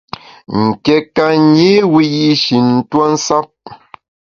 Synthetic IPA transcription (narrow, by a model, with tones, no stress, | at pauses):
ŋ̩˨kɛ˨ka˦ɲe˦wi˦ji˦ʃi˨n̩˨twa˦n̩˦sa˦p̚